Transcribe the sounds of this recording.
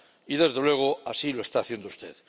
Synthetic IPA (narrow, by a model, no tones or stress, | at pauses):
iðe̞zðe̞lwe̞ɣ̞o̞asiloe̞st̪aːθje̞nd̪oust̪e̞̰ð